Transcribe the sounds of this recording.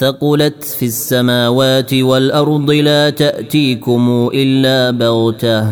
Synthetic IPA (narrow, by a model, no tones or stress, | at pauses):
tɑqʊlat̪fiasːamaːwaːt̪ɪwalʔɑɾˤd̪ˤɨlaːt̪aʔt̪iːkʊmuːʔɪlːaːbɑɣt̪a